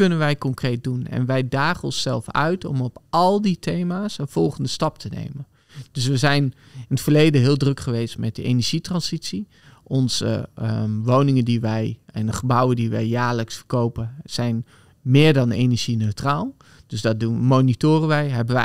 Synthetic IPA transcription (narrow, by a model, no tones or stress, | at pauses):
ɵnənʋɛjkɔŋkrejt̚dunɛ̰nʋɛjdaːχənɔ̰nsɛlˠfœ̰ɥtɔ̰mɔpʔɑlˠditʰejmaːsənv̥ɔlˠχəndəstɑp̚tʰənḛjmən | d̥øs̬ʋəzɛjn | ɪnətfərlejdəɦɪːlˠdrøkχəʋejstmɛt̚dəʔḛnəɹʒ̥itrɑnsitsi | ʔɔnzə̰ʋownɪŋədiʋɛjɛnəχəbɑwədiʋɛjjaːɹləksfərkowpəz̥ɛjn | mɪːɹdɑnenəɹʒ̥inøɥtraːlˠ | d̥ɵsdɑt̚dumoːnitoːrəʋɛjɦɛbəʋɛ